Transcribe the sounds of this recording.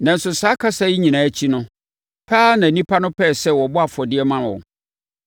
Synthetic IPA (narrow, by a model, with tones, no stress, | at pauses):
nã˨n̩˨sʊ˨saː˨˦kʰa˦sa˦ji˦ɲĩ˨nãː˨æ˦t͡ɕʰi˦nʊ̃˦ | pʰaː˦nã˨nĩ˦pʰa˦nʊ̃˦pʰɛː˦˨sɛ˦wɔ˨bʊ˦a˨fɔ˨dɪ˦ɛ˦mã˦nwɔ̰̃˨